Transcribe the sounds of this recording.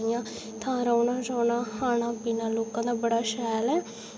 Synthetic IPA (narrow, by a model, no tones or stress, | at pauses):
ɪjãː | t̪ʰãːɾaːnãːd͡ʒaːnãːhaːnãːpiːnãːloːkãːd̪aːbəɽaːʃɛːlɛː